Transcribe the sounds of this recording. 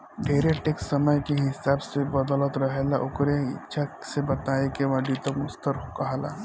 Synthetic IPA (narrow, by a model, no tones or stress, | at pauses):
d̪ʱeːɾeʈeksəməjkeɦɪsaːbsebəd̪ɔlət̪ɾəɦelaʔʊkɾeɪt͡ʃʰasebɐt̪aekeʋɐɖit̪okmʊst̪əɾɦokaɦla̰ː